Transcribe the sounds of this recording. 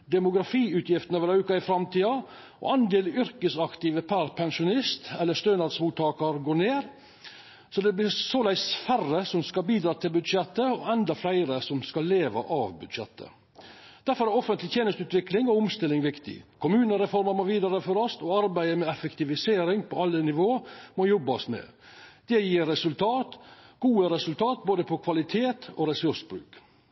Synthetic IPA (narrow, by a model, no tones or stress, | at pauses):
d̪ɛmʊɡɾɑfiːʉːt̪ʰjɪft̪ənəʋɛɾʉkɑɪfɾɑmt̪ʰiːɑ | ɔ̰ɑnd̪eːlʏɾkəsɑkt̪ɪːʋəpʰæɾpʰɛnʂʊnɪst̪ɛlːəst̪øːnɑd̪smuːt̪ʰɑːkɑɾɡoːneːɾ | sɔd̪ɛblɪɾsɔlæɪsfærəsɔmskɑlbiːd̪ɾɑːt̪ʰɪlbʉd̪ʂɛt̪ːəɔɛnd̪ɑflæɪɾəsɔmskɑlːeːʋɑ̰ʔɑʋbʉd̪ʃɛ̰t̪ʰːə̰ | d̪̥æɾfɔɾæɾɔfənt̪lɪt̪ʰjeːnəst̪ʉːt̪ʋɪklɪŋɔʊmst̪ɪlːɪŋʋɪkt̪ɪ̰kʰʊmʉːnəɾɛfɔɾmɑɾmoʋiːd̪ɑɾəfɔɾɔst̪ɔɑɾbæɪəmɛɛfɛkt̪ɪʋɪseːɾɪŋpʰɔɑlːənɪʋoːmɔjɔbːɑsmɛ̰ | d̪̥ɛjiːɾːɛsʉlt̪ʰɑːt̪ɡ̥uːəɾɛsʉlt̪ʰɑːt̪̚boːd̪əpʰɔkʰʋɑlɪt̪ʰeːt̪ʰoːɾɛsʉʂbɾʉ̰ːk